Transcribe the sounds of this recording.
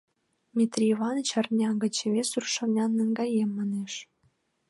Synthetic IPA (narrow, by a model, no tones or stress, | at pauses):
mʲit̪rʲiivɑnət͡ɕɑrnʲɑŋɡə̆t͡ɕeβʲesurʃɤ̆nʲɑnːəŋɡɑjemːɑneʃ